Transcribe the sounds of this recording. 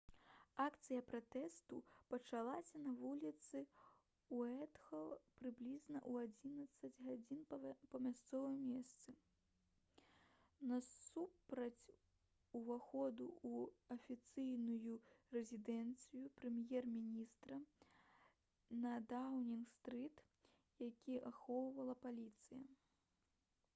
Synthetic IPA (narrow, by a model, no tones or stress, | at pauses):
akt̪sɨjɐpɾat̪ɛst̪upɐt͡ʂalˠasʲɐnɐvulʲit̪sɨ | uɛt̪xɐlˠpɾɨblʲiznɐʔuad͡zʲinɐt̪sːɐd͡zʲɣad͡zʲinpɐmʲast̪sɔvɨjmʲɛst̪sɨ | nɐsupɾɐt͡sʲ | uvaxɔd̪ṵuɐfʲit̪sɨjnujurɛzʲid̪ɛnt̪sɨjupɾɛmjɛrmʲinʲist̪ɾɐ | nɐd̪awnʲinst̪ɾɨt̪ | jakʲʰiʔaxɔwvɐlˠɐpalʲit̪sɨjɐ̰